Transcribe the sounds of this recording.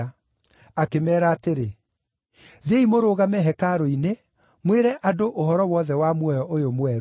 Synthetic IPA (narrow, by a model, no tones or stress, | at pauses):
akemɛːɾaːteɾe | ðeimoɾoːɣamɛɦɛkaɾɔine | mweɾɛʔadoʔoɦɔɾɔwɔðɛwamwɔjɔʔojomwɛɾ